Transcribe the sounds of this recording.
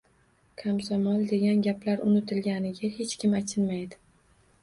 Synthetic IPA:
kʰamsamɒld̪e̞ɡʲanɡʲaplaɾʔʊ̰nɪt̪ʰɪlɡʲanɪɡʲahe̞t͡ʃkʲɪmat͡ʃʰɪnmajd̪ɪ

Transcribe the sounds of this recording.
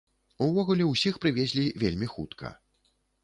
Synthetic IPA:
uvɔɣulʲɛwsʲixpɾɨvʲɛzʲlʲivʲelʲmʲixut̪kʰɐ̰

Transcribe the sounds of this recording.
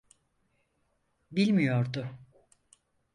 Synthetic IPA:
bilʲmijo̞ɾd̪ʊ

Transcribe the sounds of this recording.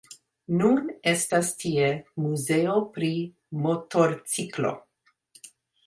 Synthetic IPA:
nune̞stastiemuze̞opɾi | motoɾt͡siklo̞̰

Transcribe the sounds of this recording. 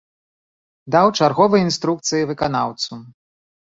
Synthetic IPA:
d̪awt͡ʂarɣɔvɨjɐinst̪ɾuk̚t̪sɨjivɨkanawt̪su

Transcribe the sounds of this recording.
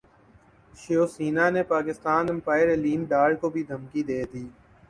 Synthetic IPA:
ʃoːsiːnanepaːkɪst̪aːnəmpaːɪɾeliːmɖaːɖkobʱid̪ʱəmkid̪eːd̪iː

